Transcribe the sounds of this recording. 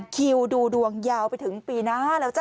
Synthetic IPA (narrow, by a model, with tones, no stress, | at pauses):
kʰi˧wduː˧du˧əŋjaː˧wpa˧jt̪ʰɯ˩˦ŋpiː˧naː˦˥lɛː˦˥wt͡ɕa˧˩